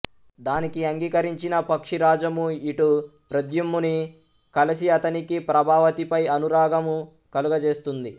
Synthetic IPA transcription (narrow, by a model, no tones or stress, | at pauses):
d̪aːnikiɐŋɡiːkɐɾiɲt͡ʃinɐpɐkʂiɾaːd͡ʒɐmuiʈupɾɐd̪jumːuni | kɐlɐsiɐt̪ɐnikipɾɐbʱaːʋɐt̪ipɐjɐnuɾaːɡɐmu | kɐluɡɐd͡ʒe̞ːst̪und̪i